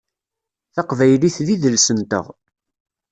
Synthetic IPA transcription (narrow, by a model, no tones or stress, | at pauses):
θɑqvæjliθðiðəlsənt̪ə̰ʁ